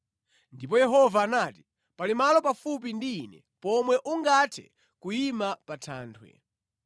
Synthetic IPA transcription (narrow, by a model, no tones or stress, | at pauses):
ndip̬ɔjɛɦɔvaːnaːti̥ | palimalɔpafup̬indiːnɛ̰ | pɔmwɛʔuŋɡatʰɛ̰ | kuimapatʰa̰ːntʰwɛ̰